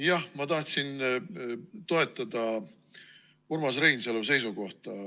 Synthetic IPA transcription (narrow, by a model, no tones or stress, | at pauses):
jɑhmɑt̪ɑht̪sin | t̪o̞e̞t̪ːˑɑd̪̥ɑ | uɾmɑsrejnseluse̞jsuko̞ht̪ɑ